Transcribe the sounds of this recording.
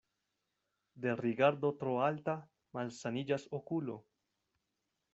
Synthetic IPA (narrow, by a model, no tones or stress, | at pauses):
d̪e̞rikaɾd̪o̞t̪ɾoalt̪a | malsanid͡ʒasokulo̰